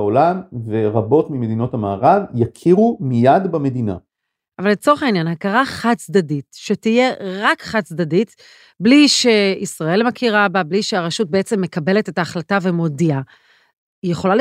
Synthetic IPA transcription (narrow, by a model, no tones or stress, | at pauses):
olamve̞ʁabo̞tmimed̪ino̞tamaːʁavjakʰiʁumijadbame̞dina̰ | ʔavalet͡so̞ʁeχainjanhakaʁaχat͡sd̪aditʃe̞tije̞ʁakχatt͡sdadit | bliʃe̞isʁae̞lmakʰiʁababliʃeaʁaʃut̚beet͡se̞mːe̞kabe̞le̞te̞taːχlatave̞mo̞dia | ijeχo̞lal